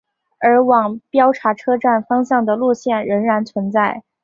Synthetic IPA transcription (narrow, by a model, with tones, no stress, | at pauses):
ə˞˧˥wɑ˨˩ŋpjɑ˥ʊʈ͡ʂʰa˧˥ʈ͡ʂʰɤ˥ʈ͡ʂa˥˩nfɑ˥ŋɕjɑ˥˩ŋd̪ə˩lu˥˧ɕjɛ˥˩nɻə˧˥nɻa˧˥nt͡sʰwə˧˥nt͡sa˥˩ɪ